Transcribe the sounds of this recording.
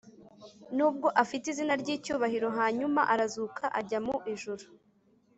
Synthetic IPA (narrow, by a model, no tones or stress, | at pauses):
nuːb̚ɡo̞ʔafitizinaɾɟiːcuːβahiɾo̞ɦaːɲumaʔaɾazuːkʰaʔaɟamuʔiʒuɾu